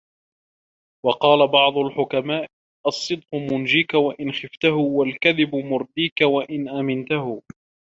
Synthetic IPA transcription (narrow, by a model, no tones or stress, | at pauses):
wɑqɑːlabɑʕd̪ˤʊlħʊkamaːʔ | ʔɑsˤːɨd̪̚qʊmʊnd͡ʒiːkawaʔɪnxɪft̪ahʊwalkaðɪbʊmʊɾd̪iːkawaʔɪnʔamɪnt̪ahʊ